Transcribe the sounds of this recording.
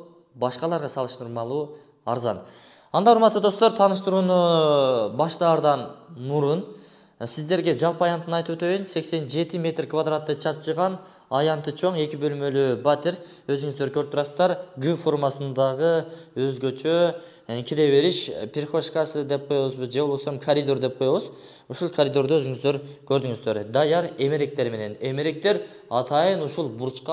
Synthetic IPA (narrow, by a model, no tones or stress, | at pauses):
bɑʃqɑlˠɑɾʁɑsɑlˠɯʃt̪ɯɾmɑlˠuː | ɑɾzɑ̰n | ɑnd̪ɑuɾmɑt̪ːud̪o̞st̪oɾt̪ʰɑːnɯʃt̪ɯɾuːnu | bɑʃt̪ɑːɾd̪ɑnmuɾun | sizd̪e̞ɾɡʲe̞d͡ʒɑlˠpɑjɑnt̪ːɯnɑjt̪ɯpwøt̪ø̞jynse̞kse̞nd͡ʒe̞t̪imʲe̞t̪rkvad̪rat̪ːɯt͡ʃʰɑp̚t͡ʃʰɯʁɑn | ɑjɑnt̪ːɯt͡ʃʰo̞ɴe̞kʲibø̞lmø̞lybat̪eɾ | øzyŋyzd̪øɾkʰøɾp̚t̪uɾɑsəzd̪ɑɾɡɨfo̞rmɑsɯnd̪ɑʁɯøzɡø̞t͡ʃʰø | kʲʰiɾe̞βe̞ɾiʃpʰʲɪɾχo̞ʃkɑsɨd̪e̞p̚qʰo̞joβuzbɨd͡ʒeo̞lˠbo̞somkʰɐɾʲid̪o̞rd̪e̞p̚qʰo̞joβuz | uʃulˠkʰaɾʲid̪o̞ɾd̪uøzyŋyzd̪øɾkʰø̞ɾd̪yŋyzd̪ø̞ɾd̪ɑjɑɾe̞me̞ɾe̞k̚t̪e̞ɾme̞ne̞ne̞me̞ɾe̞k̚t̪e̞ɾ | ɑt̪ʰɑjɯnuʃulˠbuɾt͡ʃqɑ